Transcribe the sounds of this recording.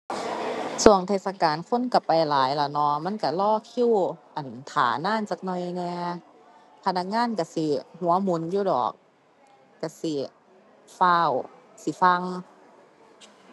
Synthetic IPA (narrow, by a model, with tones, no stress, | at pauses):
su˨˩əŋt̪ʰeː˧˩sa˧kaː˨nkʰo˧˥˨nka˧˩pa˨jlaː˨˦jla˧˩nɔ˧ma˧˥˨nka˧˩lɔː˧˥˨kʰi˧˥˨wʔa˨˩nt̪ʰa̰ː˨˩˦naː˧˥˨nt͡ɕaː˧˩k̚nɔ˧˩jnɛː˧ | pʰa˧na˧k̚ŋaː˧˥˨nka˧˩si˧˦hu˨˦ɐmu˨˦njuː˧˨dɔ̰ː˨˩k̚ː | a˧˩si˧˦ | faː˧˩˨wsi˧˦fa˧ŋ